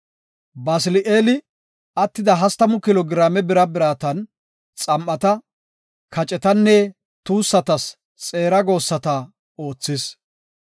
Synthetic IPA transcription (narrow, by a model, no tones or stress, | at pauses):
baːsɪlɪʔeːlɪ | ɐt̪ːɪd̪ɐɦɐst̪ɐmʊkɪloːɡɪɾaːmɛbɪɾɐbɪɾaːt̪ɐn | t͡sʼɐmʔɐt̪ɐ | kʰɐt͡ʃʼɛt̪ɐnːɛ | t̪uːsːɐt̪ɐs | t͡sʼe̞ːɾɐɡo̞ːsːɐt̪ɐ | o̞ːt͡sːɪs